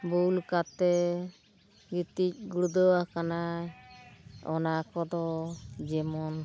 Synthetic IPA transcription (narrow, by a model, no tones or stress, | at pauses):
bulkat̪ɛ | ɡit̪ic̚ɡuɽud̪ɔwakanaj | ɔnakɔd̪ɔd͡ʒɛmɔn